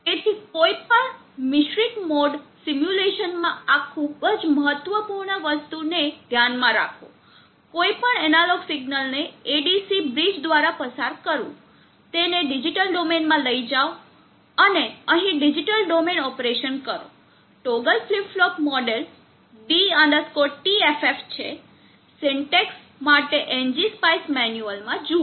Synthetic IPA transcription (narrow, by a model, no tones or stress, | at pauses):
et̪ʰikoipəɳ | mɪʃɾikmɔɖsimjuleʃənmãakʰubəd͡ʒməɦət̪ːʋəpuɾɳəʋəst̪uned̪ʱjanmãɾa̰kʰo̰ | koipəɳɛnalɔɡsiɡnəlneːɖisibɾid͡ʒd̪ʋaɾapəsaɾkəɾṵ̃ | t̪eneɖid͡ʒiʈəlɖomenmãləid͡ʒao | əneəɦĩɖid͡ʒiʈəlɖomenɔpɾeʃənkəɾo̰ | ʈoɡəlflipflɔpmɔɖel | biãnd̪əskɔʈʈiefeft͡ʃʰḛ | seɳʈeks | maʈeʔend͡ʒispajsmɛnjuəlmãd͡ʒũ